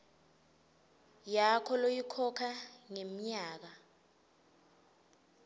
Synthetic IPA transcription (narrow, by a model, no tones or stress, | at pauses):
jakʰɔlojikʰɔkʰaŋem̩ɲaːk̬a